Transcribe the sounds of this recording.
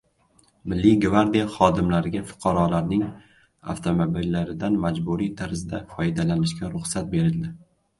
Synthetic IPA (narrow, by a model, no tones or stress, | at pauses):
mɪlːiɡvaɾd̪ijaχɒd̪ɪmlaɾɪɡʲafʊ̥qʰɑɾɒlaɾnɪŋ | a̰ft̪ʰomobilːaɾɪd̪anmad͡ʒbuɾijt̪ʰaɾzɪd̪afɒjɪd̪alanɪʃkʲaɾʊχsat̪̚be̞ɾɪld̪ɪ